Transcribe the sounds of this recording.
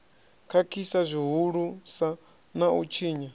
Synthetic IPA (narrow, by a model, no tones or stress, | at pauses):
kʰakʰisazʷiɦuɺusa | naut͡ʃʰiːɲa